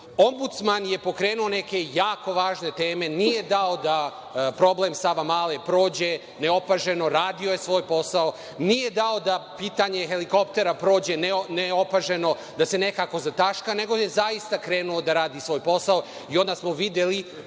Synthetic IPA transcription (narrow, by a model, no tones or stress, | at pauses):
o̞mbut̪smanjepo̞kɾeːnuo̞ne̞ke̞jaːko̞ʋaːʒne̞t̪e̞ːme̞nije̞d̪ao̞d̪a | pɾo̞blemsaʋamaːlepɾo̞ːd͡ʑe̞ | ne̞o̞paʒe̞no̞ɾaːd̪io̞jesʋo̞ːjpo̞sao | nije̞d̪ao̞d̪apiːt̪aɲe̞xe̞liko̞pt̪e̞ɾapɾo̞ːd͡ʑe̞neneo̞paʒe̞no̞ | d̪ase̞ne̞kako̞zat̪aʃkane̞ɡo̞jezaist̪akɾeːnuo̞d̪aɾaːd̪isʋo̞ːjpo̞sao | io̞nd̪asmo̞ʋid̪je̞li